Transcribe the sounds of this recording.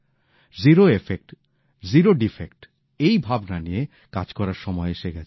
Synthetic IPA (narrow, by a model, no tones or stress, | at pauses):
ziɾoefek̚ʈ | ziɾoɖifek̚ʈ | ejbʱabnanije | ka̰d͡ʑkɔɾaɾʃɔmɔeʃeɡɛt͡ɕʰ